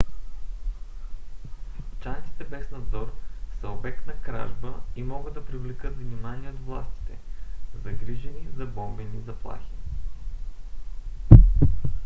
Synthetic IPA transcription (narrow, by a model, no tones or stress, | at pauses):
t͡ʃant̪si̥t̪ɛbɛsnɐd̪zɔɾsɛobɛknɐkɾa̰ʒbəimɔɡəd̪ɐpɾivlɛkɤt̪vnimaniɛod̪vlˠa̰st̪i̥t̪ɛzɐɡɾiʒɛnizɐbɔmbɛnizɐplˠa̰xi̥